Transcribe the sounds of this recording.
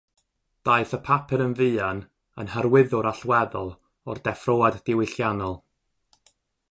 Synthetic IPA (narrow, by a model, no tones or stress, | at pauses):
d̥aɨθəpʰapʰɛɾənvɨːan | ənhəɾwɪðʊɾaɬwɛðɔlˠ | ɔrdɛfroːadːɪwɪɬjanɔlˠ